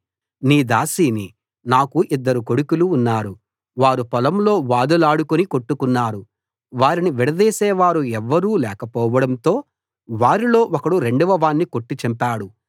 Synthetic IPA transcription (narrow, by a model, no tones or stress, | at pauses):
niːd̪aːsiːni | naːkuʔid̪ːɐɾuko̞ɽukuluːnːaːɾu | ʋaːɾupɐlɐmlo̞ːʋaːd̪ɐlaːɽukuniko̞ʈːukunːaːɾu | ʋaːɾiniʋiɽɐd̪ɛːsɛːʋaːɾuɛʋːɐɾuːlɛːkɐpɔːʋɐɽɐnt̪o̞ː | ʋaːɾilo̞ːʔɔkɐɽuɾeɳɖuʋɐʋaːnːiko̞ʈːit͡ʃɐmpaːɽu